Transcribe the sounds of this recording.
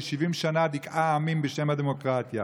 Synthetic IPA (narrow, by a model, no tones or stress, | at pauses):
ʃivimʃanad̪ikaːmimbəʃemad̪emokʁat̪ja